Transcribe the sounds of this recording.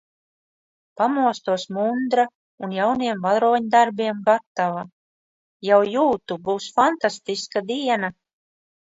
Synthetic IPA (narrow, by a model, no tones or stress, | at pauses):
pamuɔst̪uɔsmund̪ɾa | unjawniɛmvalˠɾɔːɲd̪aɾbiɛmɡat̪ːava | jawjuːt̪ubuwsfant̪ast̪iskad̪iɛna